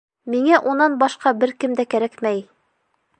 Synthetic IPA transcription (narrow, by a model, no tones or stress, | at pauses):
miŋæʔunːɑnbɒʃqɑbɘɾkɘmd̪ækæɾækmæj